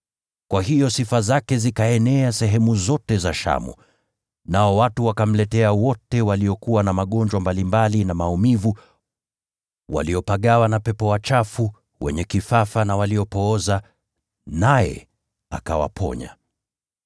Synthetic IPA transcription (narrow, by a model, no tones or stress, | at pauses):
kwaɦijɔsifazakɛzikaɛnɛasɛɦɛmuzɔtɛzaʃa̰mṵ | naɔwatuwakam̩lɛtɛawɔtɛwaliɔkuwanamaɠɔnd͡ʒwambalimbalinamaumivu | wʔa̰liɔpaɠawanapɛpɔwat͡ʃafu | wɛ̰ɲɛkifafanawaliɔpɔɔza | najɛ̰ | a̰kawa̰pʰɔ̰ɲa̰